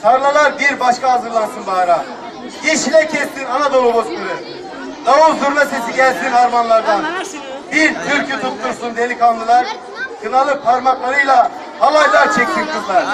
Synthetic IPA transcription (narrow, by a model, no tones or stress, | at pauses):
t̪ʰaɾlˠalˠaɾbiɾbaʃkaɦazɯɾlˠansunbaɾa | jeʃilʲɛcʰɛst̪ʰinanad̪oɾˠobosk̪ɯlˠɯɾ | d̪auzuɾnase̞siɟɛlʲzd̪ibaɾmanlˠaɾd̪an | biɾt̪ʰyɾʲcʰyt̪ʰut̪ːuɾsund̪elʲikʰalˠd̪ɯlˠaɾ | kʰɯnalˠɯpʰaɾmaklˠaɾɯjlˠaː | lˠajlˠaɾt͡ʃʰek̪̚ʲːʰip̚t̪ɯlˠaɾ̥